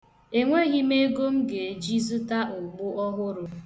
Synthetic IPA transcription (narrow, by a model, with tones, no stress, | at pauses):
e˨ŋʷe˦ɣi˦me˦ɡo˦m̩˦ɡe˨d͡ʒi˦zu˦ta˦ʊ˨ɡ͡bʊ˦ʔɔ˦ɦʊ˦ɾʊ˨